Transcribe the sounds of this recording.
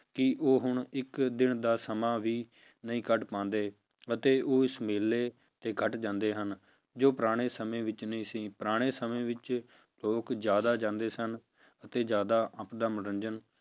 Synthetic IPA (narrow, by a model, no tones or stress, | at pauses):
kɪʔoːɦʊɳɪkd̪ɪɳd̪aːsəmaːʋiː | nəĩːkəɖpãːnd̪eː | ət̪eːʔoːɪsmeːlːeː | t̪eːkʰəʈd͡ʒãːnd̪eːɦən | d͡ʒoːpɾaːɽ̃eːsəmẽːʋɪt͡ʃnəĩːsĩːpɾaːɽ̃eːsəmẽːʋɪt͡ʃ | loːkd͡ʒjaːd̪aːd͡ʒãːnd̪eːsən | ət̪eːd͡ʒjaːd̪aːʔəpd̪əmɾənd͡ʒən